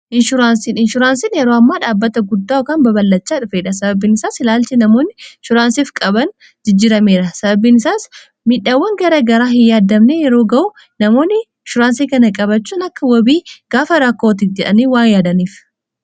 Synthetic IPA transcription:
ʔɪnʃʊɾaːnsiːnɪnʃʊɾaːnsinjɛɾoːɐmːaːᶑaːbːɐt̪ɐɡʊd̪ːaːɔkaːnbɐbɐlːɐt͡ʃːaːᶑʊfeːᶑɐsɐbɐbːiːnɪsaːsɪlaːlt͡ʃɪnɐmo̞ːnːɪʃʊɾaːnsiːfkʼɐbɐn | d͡ʒɪd͡ʒːɪːɾɐme̞ːɾɐsɐbɐbːiːnɪsaːs | mɪᶑaːwːɐŋɡɐɾɐɡɐɾaːhɪjaːd̪ɐmnejɛɾo̞ːɡɐʔʊ | nɐmo̞ːnːɪɪʃʊɾaːnsiːkɐnɐkʼɐbɐt͡ʃːuːnɐkːɐwɔbiːɡ̥aːfɐɾɐkːoːt̪̬ifd͡ʒɛᶑɐniːwaːnjaːd̪ɐniːf

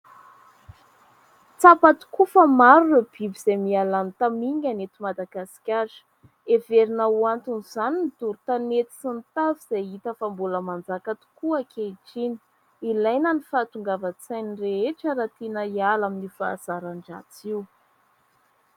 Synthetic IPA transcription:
t͡sapat̪u̥kufəmaɾuub̥ibiz̥ajmialanit̪amiŋanet̪imad̪aɡasi̥kʲḁ | eveɾinawant̪unzaninit̪uɾut̪anet̪i̥sint̪aviz̥ajit̪əfambuləmand͡zakat̪u̥kuakʰeiʈ͡ʂini̥ | ilajnənifaːt̪uŋɡavət͡sajnireeʈ͡ʂəɾat̪enəjalaminifa̰ːz̥aɾaɳɖ͡ʐa̰t͡siu

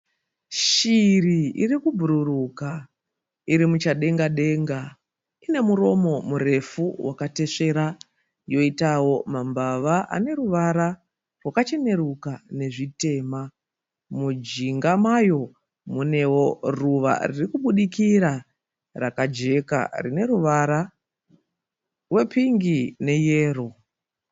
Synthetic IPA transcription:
ʃiriḭrikubʱuɾuruka | iɾimut͡ʃaɗe̞ŋɡaɗe̞ŋɡa | ine̞muɾo̞mo̞mure̞fuwʔakate̞ʂe̞ɾa | jo̞itawo̞mambaʋaʔa̰ne̞ɾuʋaɾa | rwakat͡ʃe̞ne̞ɾukane̞ʐite̞ːma | mud͡ʒiŋɡamajo̞ | mune̞wo̞ruʋa̰ririkuɓuɗikiɾa | rakad͡ʒe̞ka̰rine̞ɾuʋaɾa | rwe̞piŋɡine̞je̞ːro

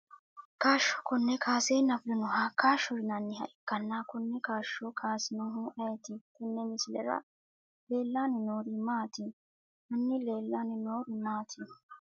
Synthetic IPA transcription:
kaːʃːɔ̥kɔnːɛkʰaːseːnɐfd̪ɪnɔɦakaːʃɔɾɪnɐnːɪhɐ̰ʔɪkːɐnːaːkʊnːɛkaːʃːɔkʰaːsɪnɔɦuʔɐjɛt̪ɪkɪnːɛmɪsɪlɛ̰ɾɐ̰ | le̞ːlːaːnɪnoːɾɪmaːt̪ɪ | mɐnːɪleːlːaːnɪnoːɾɪmaːt̪ʰɪ

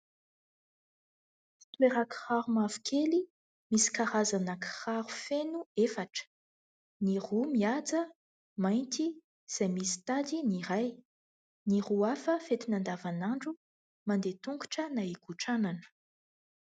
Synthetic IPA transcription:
i̥t̪weɾakχaɾumavu̥kʰeli | misi̥kaɾazanakχaɾufenuefaʈ͡ʂə̥ | nirumiad͡zə | majnt̪i | z̥ajmisi̥t̪ad̪iniɾaj | niruafəfet̪inand̪avanaɳɖ͡ʐu | mand̪et̪uŋku̥ʈ͡ʂənaikuʈ͡ʂananə̥

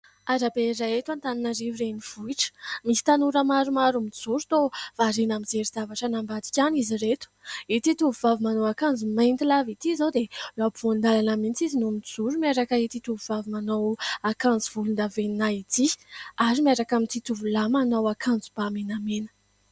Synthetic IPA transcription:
aɾabeiɾajet̪ant̪aninəɾivireniv̥uiʈ͡ʂə̥misi̥t̪anuɾəmaɾumaɾumid͡zuɾut̪ov̥aɾenamizeɾizavaʈ͡ʂənambad̪i̥kʲaniziret̪u̥it̪it̪uvuvavmanowakand͡zumajnt̪ilavit̪izowd̪elabvond̪alanəmint͡sizinumid͡zuɾumaɾakəit̪it̪uvuvavumanowakand͡ziv̥ulund̪aveninait̪iaɾimiaɾakamit̪it̪uvulamanowakʰand͡zubamenamenə̥

